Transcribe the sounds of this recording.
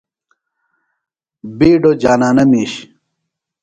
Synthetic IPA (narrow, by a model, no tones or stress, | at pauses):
biːɖod͡ʑaːnaːnɐmiːɕ